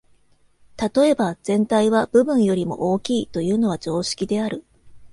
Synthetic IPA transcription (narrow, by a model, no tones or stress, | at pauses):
t̪at̪o̞e̞bad͡z̥ẽ̞nt̪aiβ̞ab̥ɯ̟bɯ̟̃ɰ̃jo̞ɾʲimo̞̰ʔoːkʲiːt̪o̞jɯ̟ːno̞βad͡ʑo̞ːɕi̥kʲid̪e̞aɾɯ̟